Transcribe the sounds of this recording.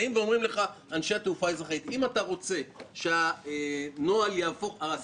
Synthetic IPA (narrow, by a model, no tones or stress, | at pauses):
imveo̞mʁimle̞χa | anʃeat̪eufaezaχait̪imat̪aʁo̞t͡se̞ʃea | no̞aljaːfo̞χaas